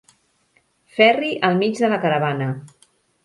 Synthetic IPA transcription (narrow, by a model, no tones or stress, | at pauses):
fɛriʔəlˠmid͡ʒðələkəɾəβanə